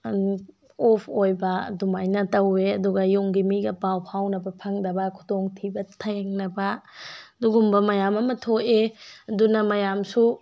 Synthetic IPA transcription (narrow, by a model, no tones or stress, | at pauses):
opʰojbɐdumajnɐtɐweɐduɡɐjuŋɡimiɡɐbawpʰawnɐbɐpʰɐŋdɐbɐkʰu̥doŋtʰibɐtʰɐjaŋnɐbɐduɡumbɐmɐjamɐmɐtʰoʔeɐdunɐmɐjamsu